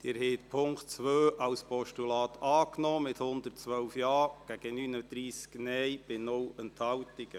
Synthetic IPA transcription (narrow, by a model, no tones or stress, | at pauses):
d̥̪ɪːɾhɛɪt̪̚pʰʊŋktt͡sʋøːʔɑwspʰɔʃtulɑːt̪ɑːknɔːmɪthʊnd̪ərtt͡sʋœwfjɑːɡ̥æɡ̥ənyːnəd̪̥ɾiːsknɛjb̥ɪnʊlənt̪hɑwtɪɡ̥ə